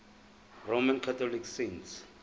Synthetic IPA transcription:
romãnkʰatʰɔliksents

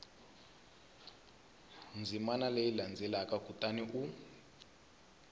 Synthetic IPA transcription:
nd͡zʱimanalejiland͡zʱɛlakʼaɡ̥ʱutʼaniʔu

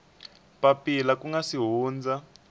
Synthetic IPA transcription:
papʼilakuŋɡasiɦuːnd͡za

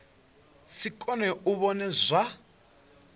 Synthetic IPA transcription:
sikʼɔnɛuβɔnɛzʷa

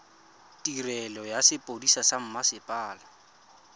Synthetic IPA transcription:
tʼirɛlɔjasɪpʼodisasam̩masɪpʼaːla

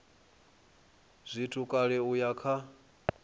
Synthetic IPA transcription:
zʷitʰukʼaɺɛujakʰa

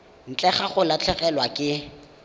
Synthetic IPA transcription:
n̩t͡ɬʼɛχaχʊlat͡ɬʰɛχɛlwakʼɪ

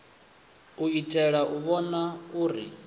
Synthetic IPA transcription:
uitʼɛɺaʔuβɔnauːɾḭ

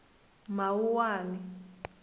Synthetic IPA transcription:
mawuwaːni

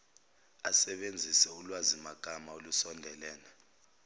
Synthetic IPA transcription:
asɛɓend͡zʱisɛulwazimaɡ̥ʱamaolusɔndʱɛlɛːnɛ

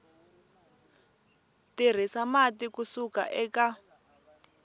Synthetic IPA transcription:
tir̤isamatikusuka̰ʔɛːka

